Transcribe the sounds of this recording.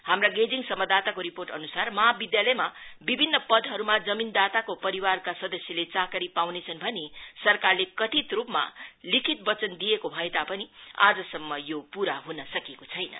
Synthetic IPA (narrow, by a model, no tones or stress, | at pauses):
hamraɡed͡ziŋsʌmːʌd̪at̪akoɾiporʈʌnusarmʌɦabid̪jalʌjmabibʱinːʌpʌd̪ʱɦʌɾumad͡zʌmind̪at̪akopʌɾiwarkasʌd̪ʌsjʌlet͡sakʌɾipawnet͡sʰʌnbʱʌnesʌrkarlekʌt̪it̪rupma̰likʰit̪̚bʌt͡sʌnd̪ijekobʱʌet̪apʌnia̰d͡zʌsʌmːʌjopuɾaɦunʌsʌkekot͡sʰʌjnʌ̰